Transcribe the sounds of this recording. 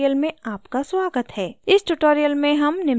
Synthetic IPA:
əlmẽaːpkaswaːɡət̪hɛːɪsʈʊʈoːɾijəlmẽɦɐmnɪm

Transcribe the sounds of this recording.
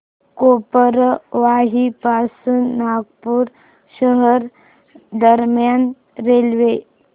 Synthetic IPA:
kopəɾʋaɦipasunːaɡpuːɾ | ɕəɦəɾ | d̪əɾmjan | ɾelʋe

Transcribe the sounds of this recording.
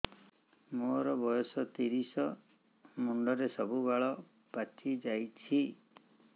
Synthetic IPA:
moɾɔbɔjɔsɔt̪iɾisɔ | muɳɖɔɾesɔbubaɭɔ | pat͡ʃʰid͡ʒajt͡ʃʰi

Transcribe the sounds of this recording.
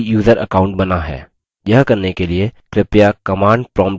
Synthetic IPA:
juːzəɾə̰kaːʊ̃ɳʈ̚bɐnaɦɛ̰ː | jɐɦkɐɾnekeliekɾɪpjakɐmaːɳɖpɾɔ̃ːm

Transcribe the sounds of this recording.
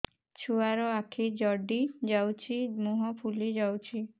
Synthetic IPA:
t͡ʃʰuaɾɔakʰid͡ʒɔɖid͡ʒawt͡ʃʰimuɦɔpʰulid͡ʒawt͡ʃʰi

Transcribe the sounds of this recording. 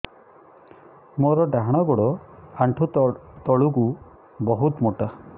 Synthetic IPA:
moɾɔɖaɦɽ̃ɔɡɔɽɔaɳʈʰut̪ɔɭuku | bɔɦut̪moʈa

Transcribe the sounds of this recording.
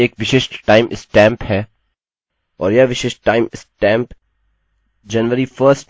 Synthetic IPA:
eːkʋɪʃeʃʈʈaːɪmʔɪsʈɛ̃ːmphɛː | ɔ̰ːɾjaʋɪʃeʃʈʈːaːɪmɪsʈɛ̃ːmp | d͡ʒɐnʋəɾifəɾsʈ

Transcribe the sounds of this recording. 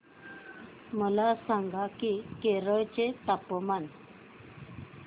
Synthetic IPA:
məlasaŋɡʱakikeɾəɭt͡ɕet̪apəman

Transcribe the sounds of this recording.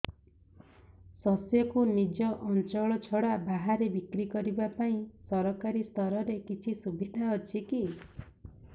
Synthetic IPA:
sʌsjʌkunid͡ʒʌʔɔnt͡ʃɔɭɔt͡ʃʰɔɽabaɦaɾebikɾiɡʌɾibapaĩsʌɾɔkaɾist̪ʌɾʌɾekit͡ʃʰisubʱid̪ʱaʌt͡ʃʰiki

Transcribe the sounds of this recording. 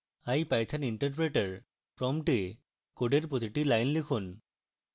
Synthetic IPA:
ajpajt͡ɕʰaniɳʈəɾp̬ɾeʈaɾ | pɾɔmʈe | koɖeɾpɾot̪iʈilajnlikʰun

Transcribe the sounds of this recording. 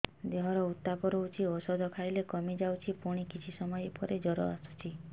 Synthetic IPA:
d̪eɦɔɾɔut̪ːapɔɾɔɦut͡ʃʰiosɔd̪ʱɔkʰaɾilekɔmid͡ʒawt͡ʃʰipuɽ̃ikit͡ʃʰisɔmɔjepɔɾed͡ʒɔɾɔ̰a̰su̥t͡ʃʰi

